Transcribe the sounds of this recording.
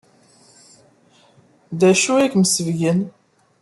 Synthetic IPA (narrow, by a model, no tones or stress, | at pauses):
d̪æʃuækmsəvʝən